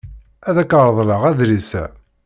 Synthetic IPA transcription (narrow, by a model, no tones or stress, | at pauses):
æðækəɾˤəðˤləʁæðɾisæ̰